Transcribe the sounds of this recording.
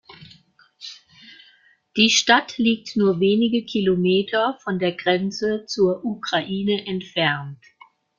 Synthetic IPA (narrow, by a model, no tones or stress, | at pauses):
d̥iːʃtatliːk̚tnuːɐveːnɪɡəkʰilomeːtʰɐfɔndeːɐɡʁɛnt͡sət͡suːɐʔukʁ̥aʔiːnəʔɛntfɛɐnt